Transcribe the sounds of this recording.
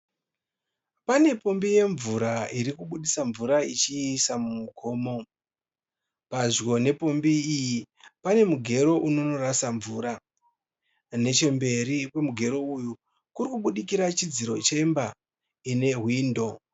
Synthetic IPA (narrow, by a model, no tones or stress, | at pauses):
pane̞po̞mbije̞ɱvuɾaiɾikuɓuɗisaɱvuɾait͡ʃiːsamumukʰo̞ːmo̞ | paʐwo̞ne̞po̞mbiːjipane̞muɡʱe̞ɾo̞ʔuno̞no̞ɾasaɱvuɾa | ne̞t͡ʃe̞mbe̞ɾipe̞muɡʱe̞ɾo̞uju | kurikuɓuɗikiɾat͡ʃid͡ziɾo̞t͡ʃe̞mba | ine̞ɦwiːndo̞